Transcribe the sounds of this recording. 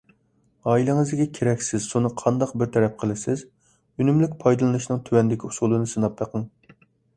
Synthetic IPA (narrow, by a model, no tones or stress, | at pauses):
ɑːilˠɪŋɨzɡʲɛkʲʰeɾɛkʲsɪz̥sunɨqʰɑnd̪ɑq̚bɪɾt̪ʰɛɾɛp̚qʰəlˠɪsɪz | ynymlɪkʲpʰɑjd̪ɨlˠɨnɨʃnɨŋt̪ʰywɛnd̪ɪkʲʰiu̥sulˠɨnɨsɨnɑp̚t̪əqʰəŋ